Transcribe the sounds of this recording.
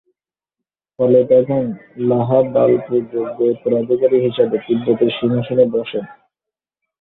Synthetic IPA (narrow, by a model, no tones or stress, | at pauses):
fɔlet̪ɛkʰonlaɦabalpod͡ʑobepoɾad̪ʱikaɾiɦiʃabet̪ibːot̪eɾʃimaʃonebɔʃen